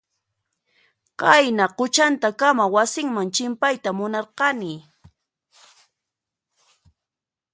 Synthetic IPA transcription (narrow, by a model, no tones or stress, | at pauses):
qɑjnaqʊt͡ʃant̪akamawasɪŋmaŋt͡ʃɪmpajt̪amʊnɑɾqɑnɪ